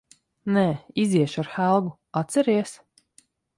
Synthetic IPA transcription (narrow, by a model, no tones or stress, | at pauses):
nɛːiziɛʃaɾxælˠɡu | at̪sɛɾiɛs